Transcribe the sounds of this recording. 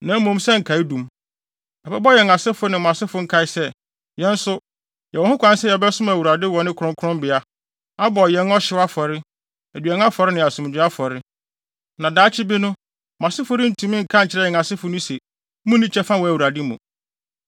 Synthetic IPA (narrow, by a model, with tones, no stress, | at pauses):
nã˨˦m̩˦mʊ̃˦msɛ˦ŋ̩˨kʰa˨ɪ˦dũ˨m | ɛ˨bɛ˦bɔ˦jɛ˨ŋa˨sɪ˦fʊ˦nɪ̃˨m˨ã˨sɪ˦fʊ˨˦ŋ̩˦kʰa˨ɪ˦sɛ˦ | jɛ̃˦n̩˦sʊ˦ | jɛ˨wɔ̃˨hʊ̃˦kʷʰã˦n˦sɛ˦jɛ˨bɛ˦sʊ˦mæ˨wu˨ɾa˨dɪ˦wɔ˨nɪ̃˦kʰʊ˨ɾʊ̃˦kʰʊ˦ɾʊ̃˦mbɪ˨a˦ | a˦bɔ˨jɛ̃˦nɔ˦ɕɪ˨˦wa˦fɔ˨ɾɪ˦ | æ˨dɥɛ˨ŋ˦a˦fɔ˨ɾɪ˦nɪ̃˨a˨sũ˨m˨d͡ʑᶣɪ˨˦a˦fɔ˨ɾɪ˦ | nã˨daː˦t͡ɕʰɪ˦bi˦nʊ̃˦ | mm˨a˨sɪ˦fʊ˨ɾɪ̃˦n̩˦tʰũ˨mɪ̃˦ŋ̩˨kʰã˦ɲ̩˨t͡ɕʰɪ˦ɾɛ˦jɛ˨ŋa˨sɪ˦fʊ˨˦nʊ̃˦se˨˦ | mʊ̃˦nːĩ˦t͡ɕʰɛ˦fã˦wɔ˨æ˨wu˨ɾa˨dɪ˦mṵ̃˨